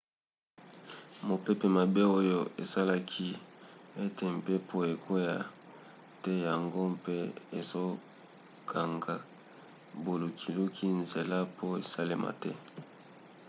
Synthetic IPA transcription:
mo˨pe˦pe˨ma˨be˦o˦jo˦ʔḛ˨sa˦la˦kʰi˦e˦te˨m̩˨pe˦pʰo˦e˨kʰo˦ja˨ | tɛ˦ja˨ŋɡo˦mpe˦e˨zo˦ | kʰa˨ŋɡa˨ | bo˨lo˨kʰi˨lu˦kʰi˦nze˨la˦po˦e˨sa˦le˦mʔa̰˨tɛ˦

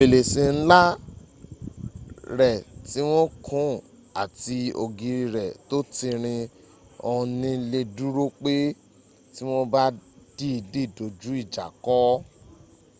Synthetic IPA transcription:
e˨le˨sĩ˧n̩˦la˦ | ɾɛ˨ti˦w̃ɔ̃˦kʰũ˨˦˨ | a˨ti˧o˧ɡi˧ɾi˧ɾɛ˨to˦ti˧ɾ̃ĩ˧ | ɔ̃˧nĩ˦le˧du˦ɾo˦k͡pe˦ | ti˦w̃ɔ˦ba˦d̥i˦i˧di˦˨do˨d͡ʒu˨˦i˦˨d͡ʒa̰˨kɔ˨˦

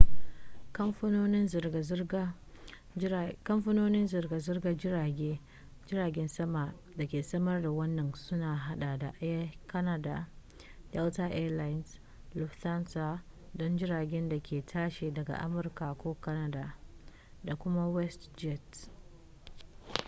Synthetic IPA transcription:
o˦nɪ˦n˨z | kɐ˦mɸʊ˦noː˦nɪ˦nzɪ˨rɡa˨zɪ˦rɡa˦d͡ʒɪ˦a˨ɡʲeː˦ | d͡ʒɪ˦ɾaː˨ɡʲɛ˦nsɐ˦ma˨ | da˨kʲeː˨sɐ˦mɐ˦rda˨wɐ˦nːɐ˨nsʊ˦naː˨ɦa˦ɗa˨da˨ʔkɐ˦na˦da˨ | jɛ˦ltaː˦ʔɛ˦la˦jns | lʊ˨fta˦nsa˨ | dɔ˦nd͡ʒɪ˦ɾaː˨ɡʲɛ˦nda˨kʲeː˨tʰaː˦ʃe˨dɐ˨ɡa̰˨ʔa̰˦mʊ˨rka˨kʷoː˦kɐ˦na˦da˨ | da˨kʷʊ˦ma˦wɛ˦std͡ʒɛ˦˨t

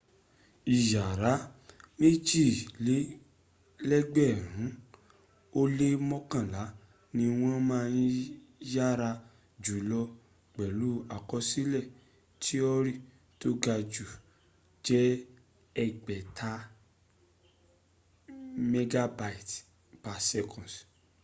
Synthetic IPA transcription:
i˨ja˨ɾa˨˦mĩ˦t͡ʃi˦˨le˦ | lɛ˦ɡ͡bɛ˦˨ɾũ˨˦ | o˦le˦mɔ̃˦kã˦˨la˨˦ | nĩ˧w̃ɔ̃˦mãː˦˧jĩ˦ja˦ɾa˧ | d͡ʒu˨˦lɔ˧ | k͡pɛ˨lu˨˦a˨kɔ˧si˦lɛ˦˨ | tʰi˦ɔ˦ɾi˦˨ | to˦ɡa˧d͡ʒu˨ | d͡ʒɛ˦ | ɛ˦ɡ͡bɛ˨tʰa˧ | me˧ɡa˧ba˨i˨t | pa˨sɛ˧kʰɔ̃˨s

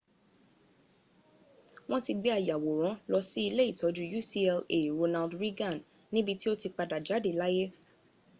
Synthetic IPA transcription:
w̃ɔ̃˦ti˧ɡ͡be˦a˦˨ja˨wo˨ɾ̃ã˨˦lɔ˧si˦i˧le˦i˦˨tɔ˨˦d͡ʒu˦ju˦˨si˦ɛ˧le˨i˨ɾo˧na˧ldɾi˦ɡã˦˨nː | ĩ˦bi˧ti˦o˦ti˧k͡pa˧da˨d͡ʒa˨˦de˦˨la˦je˦

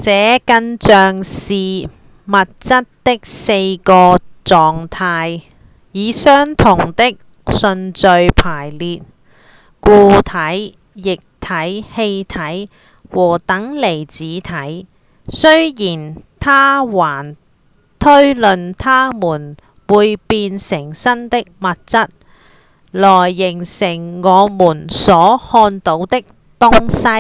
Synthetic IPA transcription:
t͡sɛː˨˥kɐ˥nt͡sœː˧ŋsiː˨ | mɐ˨t̚t͡sɐ˥t̚t̪ɪ˥k̚se˧jkɔː˧t͡sɔː˨ŋt̪ʰaː˧j | jiː˨˧sœː˥ŋt̪ʰʊ˨˩ŋt̪ɪ˥k̚ | sɵ˧nt͡sɵ˧ɥpʰaː˨˩jliː˨t̚ | kuː˧t̪ʰɐ˨˥j | jɪ˨k̚t̪ʰɐ˨˥jhe˧jt̪ʰɐ˨˥j | wɔː˨˩t̪ɐ˨˥ŋle˨˩jt͡siː˨˥t̪ʰɐ˨˥j | sɵ˥ɥjiː˨˩nt̪ʰaː˥waː˨˩n | t̪ʰɵ˥ɥlɵ˨nt̪ʰaː˥muː˨˩n | wuː˨˧jpiː˧nsɪ˨˩ŋsɐ˥nt̪ɪ˥k̚mɐ˨t̚t͡sɐ˥t̚ | lɔː˨˩jːɪ˨˩ŋsɪ˨˩ŋːɔː˨˧muː˨˩nsɔː˨˥hɔː˧nt̪o˨˥wt̪ɪ˥k̚ | t̪ʊ˥ŋsɐ˥j

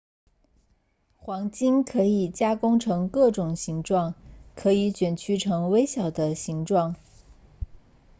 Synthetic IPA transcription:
xwɑ˧˥ŋt͡ɕi˥nkʰɤ˧˥i˨˩t͡ɕja˥kʊ˥ŋʈ͡ʂʰɤ˧˥ŋkɤ˥˩ʈ͡ʂʊ˨˩ŋɕi˧˥ŋʈ͡ʂwɑ˥˩ŋkʰɤ˧˥i˧˥t͡ɕɥɛ˨˩nt͡ɕʰy˥ʈ͡ʂʰɤ˧˥ŋwe˥ɪɕjɑ˨˩ʊd̪ə˦ɕi˧˥ŋʈ͡ʂwɑ˥˩ŋ

